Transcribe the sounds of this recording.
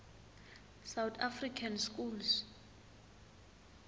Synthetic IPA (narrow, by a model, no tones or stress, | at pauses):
sawt̪ʰafrikʰanskuls